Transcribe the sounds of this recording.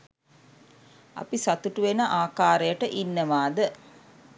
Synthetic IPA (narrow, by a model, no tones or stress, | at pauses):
a̰pisat̪uʈuʋenəʔaːkaːɾəjəʈəʔinːəʋaːd̪ə